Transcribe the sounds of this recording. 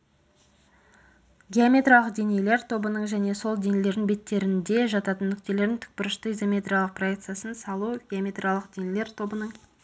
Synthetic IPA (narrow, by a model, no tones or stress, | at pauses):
ɡʲeamʲe̞t̪ralˠəqd̪e̞nejle̞ɾt̪ʰo̞bənəɴʒæne̞so̞lˠd̪e̞nele̞ɾd̪ɪŋbe̞t̪ːe̞ɾɪnd̪e̞ʒɑt̪ɑt̪ənːʏkt̪e̞le̞ɾd̪ɪŋt̪ʰʏ̥k̚pʏɾɪʃt̪əizo̞mʲe̞t̪ɾʲijalˠəq̚pʰroek̚t̪sɨjasənsɑlˠuɡʲeamʲe̞t̪rijalˠəqd̪enele̞ɾt̪ʰo̞bənəɴ